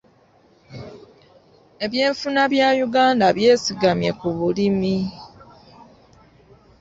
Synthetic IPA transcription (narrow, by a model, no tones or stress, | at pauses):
e̞βje̞ːɱfunaβjaːjuɡaːndaβje̞ːsiɡamje̞̰kuβulimi